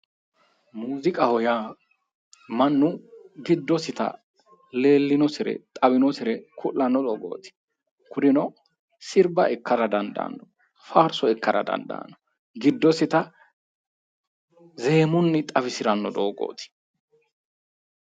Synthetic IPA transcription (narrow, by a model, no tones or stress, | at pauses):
muːzɪkʼɐhɔjaː | mɐnːʊɡɪd̪ːɔsɪt̪ɐ̰ | le̞ːlːɪnɔsɪɾɛ̰t̪ʼɐbɪnɔsɪɾɛkʰʊlːɐnːɔd̪oːɡo̰ːt̪ɪ̥ | kʰʊd̪ɪnɔ | sɪɾbɐɛkːɐɾɐd̪ɐnd̪ɐ̰ːnːɔ | faːɾsɔɛkːɐɾɐ̰d̪ɐ̰nd̪a̰ːnːɔ | ɡɪd̪ːɔsɪt̪ɐ | ze̞ːmʊnːɪt̪ʼɐfɪsɪɾɐnːɔd̪oːɡo̰ːt̪ɪ̥